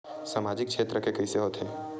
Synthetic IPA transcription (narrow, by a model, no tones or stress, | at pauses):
saːmaːd͡ʒɪk̚kʃʰeːt̪ɾəkekəiseɦoːt̪ɦeː